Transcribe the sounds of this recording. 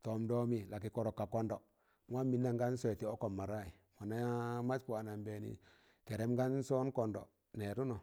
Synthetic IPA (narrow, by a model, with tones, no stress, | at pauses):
to˨mdo˦mi˨la˨ki˨ko˦˨ɾo˨kːa˨ko˦ndo˨ | ŋʷ˦a˦mːi˨˦nːa˨ŋɡa˦n˦so˦e˨ti˨˦o˦ko˨mːa˨ɾa˦i˨ | mwa˨na˦ja˦ma˦t͡ʃku˨a˨na˨mbe˨nḭ˨ | te˨ɾe˦mɡa˦n˦so˦n˦ko˨ndo̰˨ | ne˨ɾu˦no˨